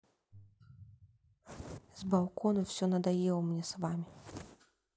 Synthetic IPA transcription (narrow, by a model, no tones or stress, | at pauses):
zbawˠkɔnɐfsʲɔnɐd̪ajɛwmnʲɛsvamʲi